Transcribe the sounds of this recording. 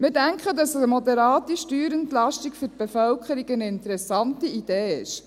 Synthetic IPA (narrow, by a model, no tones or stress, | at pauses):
mɪɾdæŋkχədɑsəəmodɛɾɑːtiʃtyːɾəntlɑʃtikfʏt̚b̥efœlkχəɾiɡənəɪntəɾɛsɑntiid̥eːɪʃ